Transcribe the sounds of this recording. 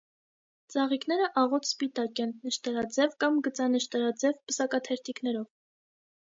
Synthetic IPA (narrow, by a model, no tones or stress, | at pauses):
t͡sɑʁiknɛɾəʔɑʁɔt̪ʰspit̪ɑkɛnːəʃt̪ɛɾɑd͡zɛvkɑmɡət͡sɑnəʃt̪ɛɾɑd͡zɛvbəsɑkɑt̪ʰɛɾt̪ʰiknɛɾɔv